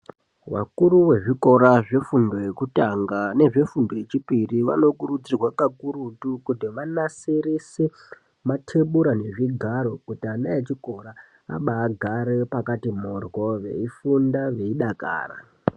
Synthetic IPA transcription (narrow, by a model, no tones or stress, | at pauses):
wa̰kuɾuwe̞ʐiko̞ɾaʐe̞fundo̞jekutaŋɡane̞ʐe̞fundo̞jet͡ʃipiriʋa̰no̞kuɾud͡zirwakakuɾutukudiʋanasiɾise | matʰe̞ɓuɾane̞ʐiɡʱaɾo̞kutianajet͡ʃiko̞ɾa | a̰ɓaːɡʱaɾe̞pakatimorwo̞ʋe̞̰ifundaʋe̞iɗaka̰ːra̰